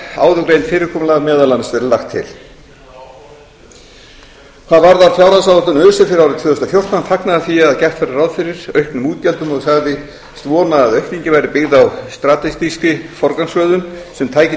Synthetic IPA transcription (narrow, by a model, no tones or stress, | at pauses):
a̰ːwðʏkɾejnt̪fɪːɾɪɾkʰɔːmʏlaɣðmɛːðalansɛɾlaxt̪ʰːɪ̰l̥ | θaðvaɾðaɾfjawɾasawʏt̪ʏnœːsɪfɪɾɪɾawɾɪt̪vœːðʏst̪afjowr̥t̪ant̪ʰaknaðaθiaðcɛht̪fɛɾarawðfɪɾɪɾ̥œɥhkpnʏmuːt̪̚cɛlt̪ʏmɔɣsaɣðɪ | st̪vɔːnaːðœɥhkniɲcɪvajɾɪpɪɣðawst̪ɾat̪ɛst̪iskɪfɔɾkansvœːðʏmsɛmt̪ʰaːjcɪ